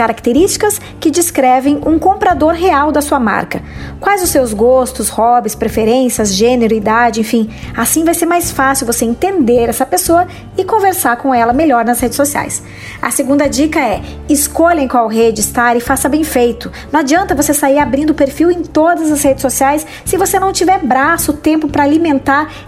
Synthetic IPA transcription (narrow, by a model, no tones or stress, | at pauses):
kaɾakt̪eɾist͡ʃi̥kɐs | kɪd͡ʒiskɾɛvẽj̃ũkõpɾad̪oɾɦeawd̪ɐsuɐma̰ɾkɐkwajzʊsewzɡost̪ʊshɔbɪspɾefeɾẽsiɐzʒẽneɾʊid̪ad͡ʒɪẽfĩasĩvajseɾmajsfasɪwvoseẽnt̪ẽnd̪eɾɛsɐpesoɐ | ɪkõveɾsaɾkõɛlɐmeʎɔɾnɐshed͡ʒɪsosia̰js | ɐ̰seɡũnd̪ɐd͡ʒikɐɛ | ɪskoʎẽj̃kwawɦed͡ʒɪɪst̪aɾɪfasɐbẽj̃fejt̪ʊnɐ̃ad͡ʒiɐ̃nt̪ɐvosesaiɾabɾĩnd̪ʊpeɾfiwẽj̃t̪od̪ɐzɐzhed͡ʒɪsːosiajsːɪvosenɐ̃w̃t͡ʃivɛɾbɾasʊt̪ẽmpʊpɾɐalimẽnt̪aɾ